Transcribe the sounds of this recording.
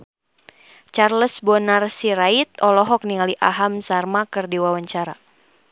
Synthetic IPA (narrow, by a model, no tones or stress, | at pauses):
t͡ʃarləsbɔnarsiɾait̪̚ɔlɔɦɔk̚niŋaliʔaɦamsarmakɨrdiwawaɲt͡ʃaɾa̰